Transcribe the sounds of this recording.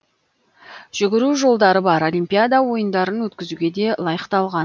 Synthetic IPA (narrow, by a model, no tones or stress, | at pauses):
ʒ̥ʏɡʲɪɾuʒo̞lˠd̪ɑɾəbɑɾo̞lʲimpʲijad̪awo̞jənd̪ɑɾənwɵt̪̚kʲɪzuɡʲe̞d̪e̞lˠɑjəqt̪ɑlˠʁɑn